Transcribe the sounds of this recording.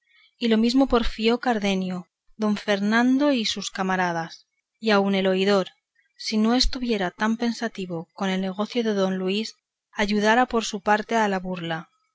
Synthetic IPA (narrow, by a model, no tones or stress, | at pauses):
ilo̞mizmo̞po̞ɾfio̞kaɾðe̞njo | ðo̞ɱfe̞ɾnãnd̪o̞isuskamaɾað̞as | iaune̞lo̞iðo̞ɾ | sino̞e̞st̪uβje̞ɾat̪ampe̞nsat̪iβ̞oko̞ne̞lne̞ɣ̞o̞θjoðe̞ðo̞nluis | aʝuð̞aɾapo̞ɾsupaɾt̪e̞alaβuɾla